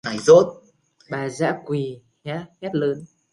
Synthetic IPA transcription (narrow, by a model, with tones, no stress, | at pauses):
na˨˩jzo˦˥t̚ | ɓaː˨˩za̰ː˧˥kwi˨˩haː˨˦hɛ˦˥t̚ləː˨˦n